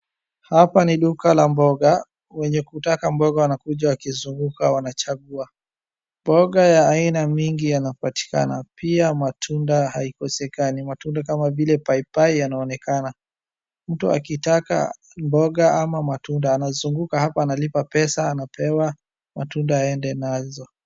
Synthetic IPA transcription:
hapaniɗukalambɔɠa | wɛɲɛkutakambɔɠawanakuʄawakizuŋɡukawanat͡ʃaɠua | mbɔɠajaːinamiŋɡijanapati̥ka̰napiamatʰundahaikɔsɛkanimatundak̬amavilɛpaipaijanaɔnɛkana | m̩tua̰kitaka̰ | mbɔɠaamamatundaːnazuŋɡukahapaːnalipapɛsaːnapʰɛwa | ma̰tundaaɛndɛnazɔ

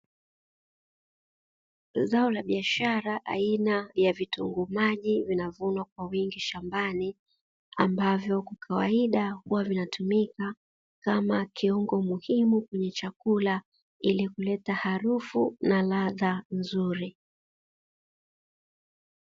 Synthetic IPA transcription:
zaɔlaɓiaʃaɾaʔa̰inajavituŋɡumaʄivinavunwak̚wawiŋɡiʃambani | a̰mbavjɔkukʰawaiɗahuwavinatʰumika | kamakʰiɔŋɡɔmuhimukwɛɲɛt͡ʃakula | ilikulɛtahaɾufunalaðanzuɾi

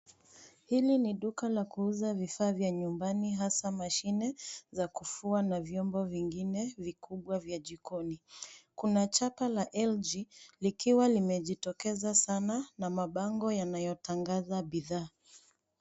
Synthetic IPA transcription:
hiliniɗukalakuuzavifaːvjaɲumbaniɦasamaʃinɛzakufuanavjɔmbɔviŋɡinɛvikuɓwavjaʄikɔnikunat͡ʃapalaʔɛld͡ʒilikiwalimɛʄitɔkɛzasananamaɓaŋɡɔjanajɔtaŋɡazaɓiðaː

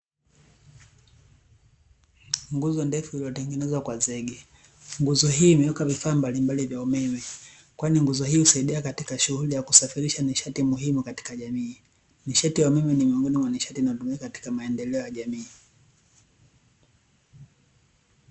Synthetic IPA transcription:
ŋɡuzɔndɛfuiliɔtɛŋɡɛnɛzwakwazɛɡɛ | ŋɡuzɔɦiːmɛjɔkavifaːmbalimbalivjaumɛmɛ | kwaniŋɡuzɔɦiːhusaiɗiakatikaʃuhulijakusafiɾiʃaniʃatimuɦimukati̥kaʄamiː | niʃatijaumɛmɛnimiɔŋɡɔnimwaniʃatinatumiakati̥kamaɛndɛlɛɔjaʄamiː

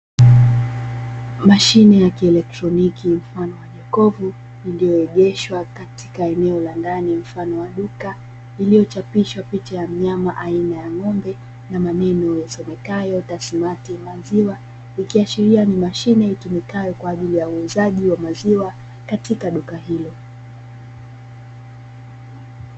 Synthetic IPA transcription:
maʃinɛjakiɛlɛk̚tɾɔnikim̩fanɔwaʄɛkɔvu | ilijɔɛʄɛʃwakati̥kaɛnɛɔlandanim̩fanɔwaɗuka | ilijɔt͡ʃapiʃwapit͡ʃajam̩ɲamaʔainajaŋɔmbɛ | namanɛnɔjasɔmɛkajɔtasimatimaziwa | ikiaʃiɾianimaʃinɛitumikajɔkwaːʄilijauuzaʄiwamaziwa | katikaɗukahilɔ

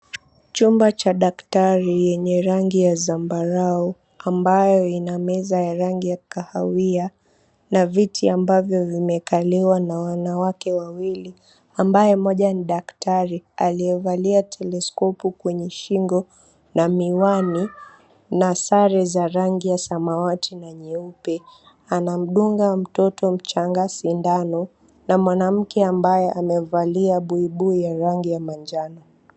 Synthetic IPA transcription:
t͡ʃumbat͡ʃaɗaktaɾijɛɲɛɾaŋɡijazambaɾau | ambajɔinamɛzajaɾaŋɡijakahawia | navitʰiambavjɔvimɛkaliwanawanawakɛwawili | ambajɛmɔʄaniɗaktʰaɾialiɛvaliatʰɛlɛskɔpukwɛɲɛʃiŋɡɔ | namiwani | nasaɾɛzaɾaŋɡijasamawatʰinaɲɛupɛ | anam̩ɗuŋɡam̩tɔtɔm̩t͡ʃaŋɡasindanɔ | namwanam̩kɛambajɛʔamɛvaliaɓuiɓuijaɾaŋɡijamand͡ʒanɔ

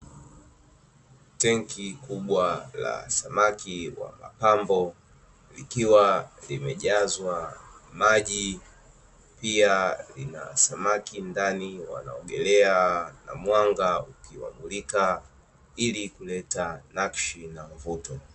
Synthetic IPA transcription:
tɛŋkʰikuɓwala̰samakiwa̰ma̰pambɔ | likiwalimɛʄazwamaʄi | pialina̰samakindaniwa̰na̰ɔɠɛlɛana̰mwaŋɡaukiwa̰mulika | ilikulɛtanakʃinavutɔ

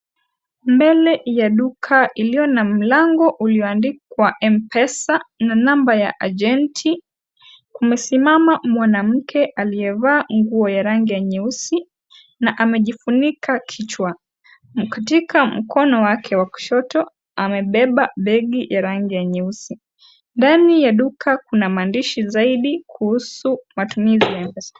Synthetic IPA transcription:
mbɛlɛjaɗukʰaʔiliɔnam̩laŋɡɔʔuliɔandikkwaʔɛmpɛsananambaja̰ʔaʄɛntʰi | kumɛsimamamwanam̩kʰɛʔalijɛvaːŋɡuɔjaɾaŋɡijaɲɛusi | naʔamɛʄifunikʰakʰit͡ʃwa | katikʰam̩kɔnɔwakʰɛwakɔ̥ʃɔtɔ | amɛɓɛɓaɓɛɠijaɾaŋɡijaɲɛusi | ndanijaɗukʰakunamaːndiʃizaiɗikʰuhusumatumizijambɛsḁ

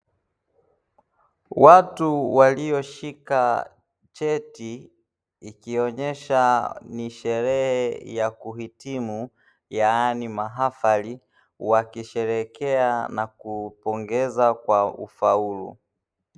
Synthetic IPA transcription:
watuwaliɔʃika | t͡ʃɛti | ikiɔɲɛʃaniʃɛɾɛhɛjakuhitimu | jaanimaɦafali | wakiʃɛɾɛkɛanakupɔŋɡɛzakwaṵfaulṵ

